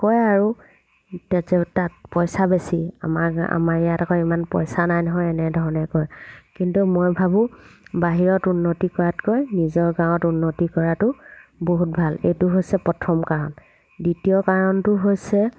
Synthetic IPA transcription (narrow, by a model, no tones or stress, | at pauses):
kɔjaɹu | tɛtɛtat̚pɔjsabesia̰maa̰maɹijatakɔimanpɔ̰jsanajnɔɦɔjɛnɛdʱɔɹɔnɛkɔjkintumojbʱabʊ̃baɦiɹɔtunːotikɔɹatkojnizɔɹɡãwɔtunːotikɔɹatʊboɦut̚bʱalḛjtʊɦojsɛpɔtʰɔmkaɹɔn | ditijɔkaɹɔntʊɦojsɛ